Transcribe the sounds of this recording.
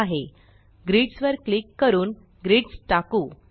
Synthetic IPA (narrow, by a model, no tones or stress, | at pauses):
aɦe | ɡɾiːʈsʋəɾklikːəɾuːn | ɡɾiːʈsʈakuː